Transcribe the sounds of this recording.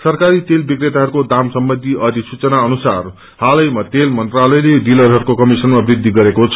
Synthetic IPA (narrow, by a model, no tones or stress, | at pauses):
sʌrkaɾit̪elbikret̪aɦʌɾukod̪amsʌmbʌnd̪ʱiʔʌd̪ʱisut͡sʌnaʌnusar | halʌjmʌt̪elmʌnt̪ralʌjleɖilʌrɦʌɾukokʌmisʌnmabrid̪ʱːiɡʌɾekot͡sʰʌ